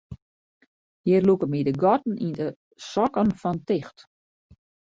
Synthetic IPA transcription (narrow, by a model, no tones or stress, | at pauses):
jɪrlukəmidəɡɔtn̩ində | sɔkənfɔntɪxt